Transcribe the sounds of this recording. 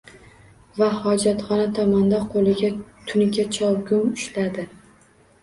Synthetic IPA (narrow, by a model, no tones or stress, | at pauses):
vahɒd͡ʒat̪χɒnat̪ʰɒmand̪aqʰolˠɪɡʲat̪ʰʊnɪɡʲat͡ʃʰɒwɡʊmʊʃlad̪ɪ